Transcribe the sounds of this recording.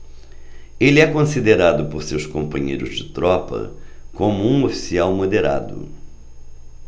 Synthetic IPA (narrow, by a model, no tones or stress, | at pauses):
elɪɛkõsid̪eɾad̪ʊpoɾsewskõmpɐ̃ɲḛjɾʊzd͡ʒɪt̪ɾɔpɐ̰kõmʊũofi̥siawmod̪eɾa̰d̪ʊ̰